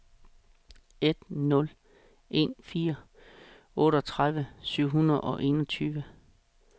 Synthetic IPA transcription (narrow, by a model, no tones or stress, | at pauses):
e̝d̥nɔ̽l | ʔe̝̰ːnfiːɐ | ɔ̽ːɾəɒt͡sʰʁaðˠʋəsyʊ̰ɦunɐð̩ˠɒ̽ʔe̝ːnɒt͡sʰyːʋə